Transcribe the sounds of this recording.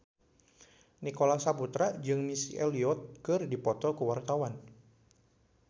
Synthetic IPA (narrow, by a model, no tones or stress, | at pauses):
nikolasaput̪ɾad͡ʒɨŋmisiʔeliɔt̪̚kɨrdipɔt̪ɔkuwart̪awan